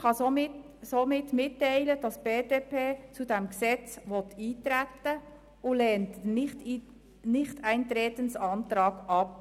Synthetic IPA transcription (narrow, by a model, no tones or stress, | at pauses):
χɑsomɪt | soːmɪtmɪtːaɪləd̥ɑsb̥eːdeːpʰeːt͡sudɛmksɛt͡sʋɔtiːtɾætːə | ʊlɛːntnɪtː | nɪχtʰæɪnt̪ɾeːtənsɑnt̪ɾɑːɡɑp̚